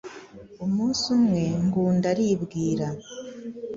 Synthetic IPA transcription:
omuːsumwe̞ŋɡuːndaɾiβɡiːɾa

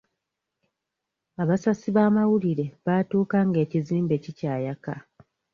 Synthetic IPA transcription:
aβasasiβaːmawuliɾe̞βaːtuːkaŋɡe̞ːciziːmbe̞cicaːjaka

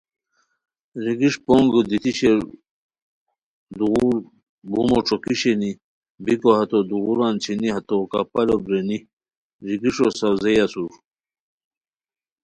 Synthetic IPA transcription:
ɾiɡiʂpoŋɡəd̪it̪iɕeɾ | d̪uɣuɾ | bumoʈ͡ʂokiɕeni | bikoɦɐt̪od̪uɣuɾaːnt͡ɕʰiniɦɐt̪okapɐlobɾeni | ɾiɡiʂosɐwzejasuɾ

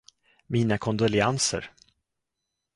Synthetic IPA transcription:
miːnakʰɔnd̪ɔlɪansə̰ɾ

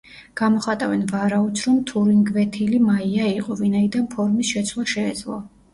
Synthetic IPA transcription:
ɡ̥amɔχat̪ʼavɛnvaɾaud̪sʰɾɔmt̪ʰuɾiŋɡvɛt̪ʰilimaiaiqʼɔvinaid̪anpʰɔɾmisʃɛt̪sʰlˠaʃɛːd̪zlˠɔ̰

